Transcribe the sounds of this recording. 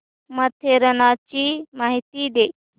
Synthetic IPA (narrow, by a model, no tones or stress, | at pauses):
mɐt̪ʰeɾɐnaːt͡ʃimaːɦit̪id̪eː